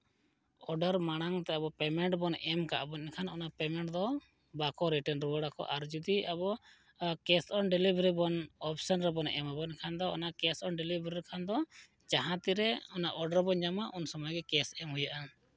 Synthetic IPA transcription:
ɔɖaɾmaɽ̃aŋt̪ɛabɔpɛmɛɳʈbɔnɛmkaʔbɔninkʰanɔnapɛmɛɳʈd̪ɔ | bakɔɾiʈɛnɾuwəɽakɔ̰ʔaɾd͡ʒud̪iabɔ | kɛsɔnɖɛlibɾibɔnɔp̚ʰsɔnɾɛbɔnɛ̰mabɔkʰand̪ɔɔnakɛsɔnɖɛlibʱɾiɾkʰand̪ɔ | d͡ʒaɦãt̪iɾɛɔnaʔɔɖaɾbɔnd͡ʒamaʔunsɔmajɡɛkɛsɛmhujaʔa

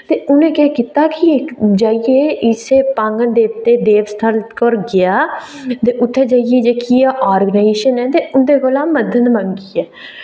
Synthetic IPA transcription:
t̪eːʔʊnẽːkɛːkit̪aːkied͡ʒaːɪeːɪseːpãːŋɡənd̪eːt̪eːd̪eːʋst̪ʰəlkəɾɡɪjaː | t̪eːʔʊt̪ʰːeːd͡ʒaːɪjeːd͡ʒeːkiaʔaːɾɡənaːeʃənɛ̃ːt̪eːʊnd̪eːkoːlaːməd̪ʱənməŋkiɛː

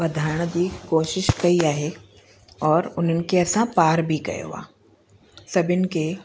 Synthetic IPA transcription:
ʋɐd̪ʱaːɾəɽ̃d̪iːkoːʃɪʃkɐiaːɦe | ɔːɾʊnɦənɪ̆keɐsãpaːɾbʱikɐ̰jo̰ʋa̰ː | sɐbʱɪnɪ̆ke

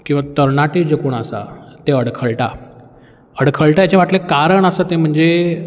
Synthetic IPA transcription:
kĩw̃ʋat̪əɾnaʈed͡ʑekoɳəsa̰t̪eəɽkʰəɭʈa̰ | əɽkʰəɭʈajat͡ɕeʋ̤aʈlẽkaɾəɳəsət̪em̤əɳd͡ze

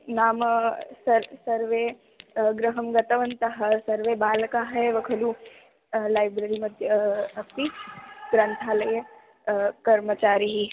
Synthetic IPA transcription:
naːmsɐɾsɐɾʋe | ɡɾəɦɐmɡɐt̪ɐʋɐnt̪ɐɦɐ̆sɐɾʋebaːlkaɦɛʋɐkʰɐlu | laːjbɾəɾimɐd̪ʱjəɐst̪iɡɾə̃nt̪ʰaːlɐjə | kɐɾmət͡ʃaːɾiɦi

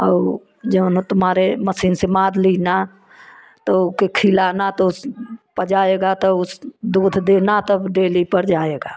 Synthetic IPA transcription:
ɔː | d͡ʒəbnot̪ʊmɦaːɾeməsiːnsemaːd̪lina | t̪ɔkekʰilanat̪ɔspəd͡ʒaeɡat̪ɔʊsd̪uːd̪ʱd̪enat̪əbɖeːlipəɾd͡ʒaːeɡa

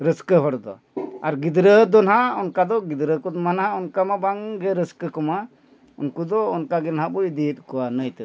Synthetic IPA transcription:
ɾəskəɦɔɽd̪ɔ̰ | aɾɡid̪ɾəd̪ɔnɦaɔnkad̪ɔɡid̪ɾəkɔt̪manɦaɔnkamabaŋɡɛɾəskəkɔma | ɔnkud̪ɔːnkaɡɛnɦabɔid̪it̪̚kɔanəjt̪ə

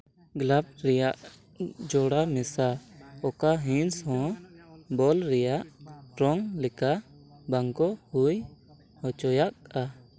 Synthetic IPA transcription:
ɡlab̚ɾɛjaʔ | d͡ʒɔɽamɛsaɔkaɦĩnshɔ̃ | bɔlɾɛjaʔɾɔŋlɛka | baŋkɔhuj | hɔt͡ʃɔjaʔ̚a

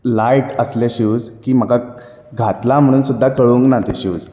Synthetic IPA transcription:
lajʈəsleɕuːd͡zkiːm̤əka | ɡʱat̪lam̤əɽ̃uːnsud̪ʱːakəɭuŋknat̪eɕuːd͡z

